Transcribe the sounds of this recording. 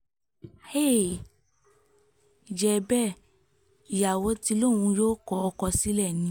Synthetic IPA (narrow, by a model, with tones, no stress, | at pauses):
he˦˨ | d͡ʒɛ˧bɛ˦˨ | i˨ja˨wɔ˧˦ti˧lo˦˨wũ˧joː˦kɔ˧ɔ˧kɔ˧si˨˦lɛ˦˨nĩ˨˦